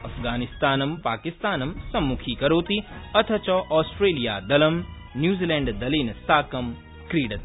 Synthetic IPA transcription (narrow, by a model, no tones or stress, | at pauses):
ɐfʰɡaːnist̪aːnɐmpaːkist̪aːnɐmsɐmːukʰiːkɐɾoːt̪iɐt̪ʰɐt͡ʃɔʔɔːsʈɾeːlijaːd̪ɐlɐm | njuːziːlẽːɳɖd̪ɐliːnsaːkɐm | kɾiːɽɐt̪